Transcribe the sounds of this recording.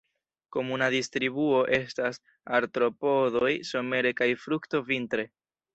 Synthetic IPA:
ko̞munaðist̪ɾiβuo̞ʔe̞stas | aɾt̪ɾo̞po̞ðojso̞me̞ɾe̞kajfɾukto̞vint̪ɾe̞

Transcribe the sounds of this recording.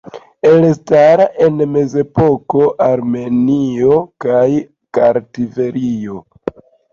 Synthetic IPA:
e̞lstaɾaʔe̞nme̞ze̞po̞koʔaɾme̞nio̞kaj | kaɾtive̞ɾio

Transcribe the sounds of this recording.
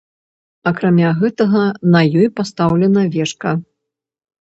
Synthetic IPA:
ɐkɾamʲaɣɛt̪ɐɣɐnɐjɔjpast̪awlʲɛnɐvʲɛʂkɐ

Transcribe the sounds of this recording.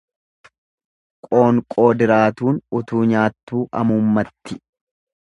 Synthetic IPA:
kʼo̞ːŋkʼo̞ːd̪ɪɾaːt̪uːnʊt̪uːɲaːt̪ːuːʔɐ̰mʊmːɐt̪ːɪ

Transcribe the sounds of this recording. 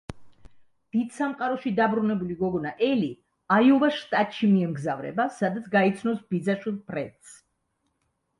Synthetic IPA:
d̪̥id̪̥samqʼaɾɔʃid̪abɾunɛbuliɡɔɡɔnaʔɛli | ajɔvaʃt̪ʼat̪ʼʃimiɛmɡzavɾɛ̰basad̪at̪sʰɡait̪sʰnɔsbid̪zaʃwilˠpʰɾɛt̪s

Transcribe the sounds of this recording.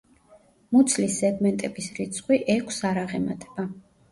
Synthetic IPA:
mut̪sʰlisɛɡmɛnt̪ʼɛbisɾit̪sʼqʼwiʔɛkʷʰsaɾaʁɛma̰t̪ʼʰɛ̥b̥a

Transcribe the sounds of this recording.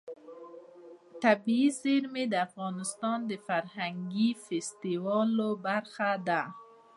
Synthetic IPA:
t̪abiizeɾmed̪afɣɑnɪst̪ɑnd̪əfaɾhaŋɡifest̪iwɑlobaɾxad̪a

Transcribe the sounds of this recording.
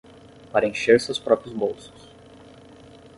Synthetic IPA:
paɾɐẽʃeɾsewspɾɔpɾiʊzbowsʊ̥s

